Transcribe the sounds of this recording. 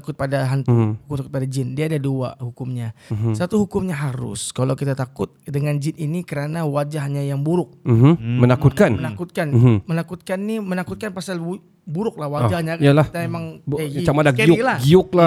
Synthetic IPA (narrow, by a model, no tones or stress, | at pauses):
akʊt̪̚padaɦant̪uukʊmt̪akʊt̪̚padad͡ʒɪndiaːdadua̰hukʊmɲasat̪uhukʊmɲaɦaɾʊ̰skalawkit̪at̪akʊt̪̚dəŋand͡ʒɪninikəɾanawad͡ʒaɦɲajaŋbuɾʊk̚m̩hmənakut̪kanmənakʊt̪̚kanmənakʊt̪̚kanːimənakʊt̪̚kanpasal | buɾʊk̚lahwad͡ʒahɲajalat̪aemaŋt͡ʃamadaɡeiʊilahɡiʊk̚la